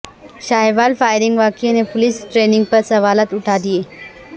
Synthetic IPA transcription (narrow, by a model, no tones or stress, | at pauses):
ɕajʋalfajɾiŋɡʋakenepoliːsʈɾeniŋɡpəɾsəʋalat̪uʈʰad̪ije